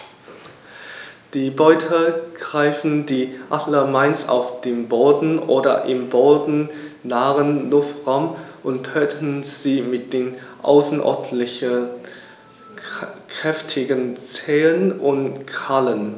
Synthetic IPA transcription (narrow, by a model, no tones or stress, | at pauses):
d̥iːbɔʏtʰəɡ̥ʁaɪfn̩diːʔadlɐmaɪnsa̰ʊfd̥eːmboːdn̩ʔoːdɐ̰ʔɪmboːdn̩naːʁənlʊftʁaʊmʔʊntʰøːtʰn̩z̥iːmɪt̚d̥eːnʔa̰ʊsnʔɔ̰ɐdlɪçə | kʁ̥ɛftʰɪɡənt͡sɛːlənʔʊntkʰalən